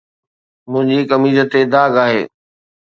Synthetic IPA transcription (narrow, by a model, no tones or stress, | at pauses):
mʊ̃ɦɪ̃ɲd͡ʑikɐmiːzət̪ed̪aːɡaːɦḛː